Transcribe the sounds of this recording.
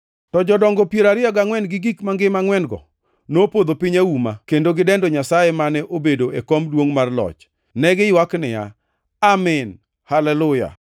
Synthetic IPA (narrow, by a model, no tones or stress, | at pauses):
tɔd͡ʒɔdɔŋɡɔpjeɾaɾɪjaɡaŋwɛnɡɪɡikmaŋɡɪmaŋwɛnɡɔ̰ | nopod̪opɪɲaumakendoɡɪdɛndɔɲasajemanɛʔobedoʔekɔmdwoŋmarlɔ̰t͡ʃ | nɛɡɪjwaknɪja̰ | amɪn | halɛlʊja̰